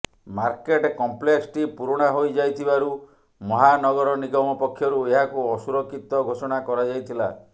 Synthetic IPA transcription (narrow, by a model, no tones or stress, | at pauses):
maɾkeʈkɔmpleksʈipuɾɔɽ̃aɦojd͡ʒajt̪ʰibaɾu | mɔɦanɔɡɔɾɔniɡɔmɔpɔkʰːjɔɾueɦakuɔsuɾɔkːit̪ɔɡʱosɔɽ̃akɔɾad͡ʒajt̪ʰila̰